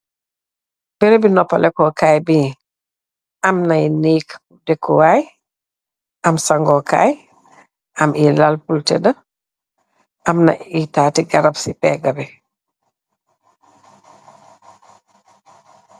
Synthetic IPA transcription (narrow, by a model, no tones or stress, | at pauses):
b̥ɛɾebinɔpːalɛkɔkaːjbi | amnajniːk | dɛkʰːuwaj | ʔamsaŋɡɔka̰ːj | ʔamilalpultɛdɐ | ʔamna̰itaːtiɡɐɾabsipɛ̰ːɡɐbɛ